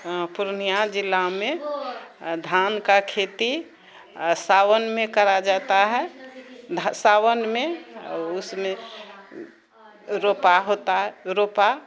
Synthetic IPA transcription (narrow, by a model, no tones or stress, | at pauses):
puɾnijad͡ʒilːame | d̪ʱankakʰet̪i | sawənmekəɾad͡ʒat̪aɦɛd̪ʱsawənmeʊsme | ɾopaɦot̪aɦɾopa